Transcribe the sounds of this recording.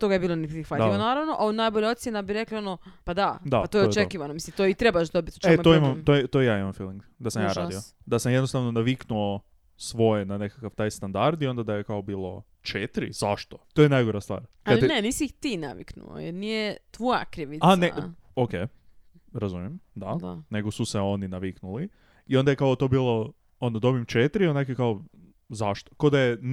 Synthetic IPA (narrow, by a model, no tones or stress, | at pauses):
t̪o̞ɡajebilˠonepɾixʋat̪ʎiʋonaːɾaʋnoʔaunajboʎao̞t̪sʲjenabiɾe̞klio̞nopad̪ad̪aat̪ojot͡ʃkiʋanomisimt̪oit̪ɾebaʃd̪obit̪u̥t͡ʃemoimamt̪oɛt̪ojjaːimamfiːlˠiŋɡd̪asamjaːɾa̰ːd̪iod̪asamjd̪nost̪aʋno̞naʋiknuo | sʋo̞jenane̞kakaʋt̪ajst̪and̪aɾd̪io̞nd̪ad̪ajekaobiːlˠo̞̰ | t͡ʃet̪ɾḭz̥aʃt̪o̥t̪ojenajɡoɾast̪ʋa̰ːɾkaneniːsixt̪ina̰ʋḭknṵo̰jeɾnijet̪ʋoja̰kɾiʋianea | okej | ɾazumjemd̪ad̪ane̞ɡosuseo̞ninaʋiknuli | io̞nd̪ajekaot̪o̞biːlˠo̞ | o̞nod̪o̞bimt͡ʃet̪ɾionakekao | zaʃt̪o̥kod̪aje